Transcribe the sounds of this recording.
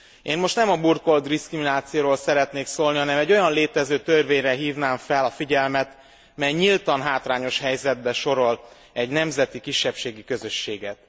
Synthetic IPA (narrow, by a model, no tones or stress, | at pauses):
eːnmo̞ʃt̪nɛmɒburko̞ld̪diskriminaːt̪sijoːɾoːlsɛɾɛt̪neːksoːlniɒnɛmɛɟːo̞jɒnleːt̪ɛzøːt̪ørveːɲrɛɦiːvnaːɱfɛlɒfiɟɛlmɛt̪ | mɛjɲilt̪ɒnɦaːt̪raːɲo̞ʃhɛjzɛd̪̚bɛʃo̞ɾo̞l | ɛɟnɛmzɛt̪ikiʃːɛpʃeːɡikø̞zø̞ʃːeːɡɛt̪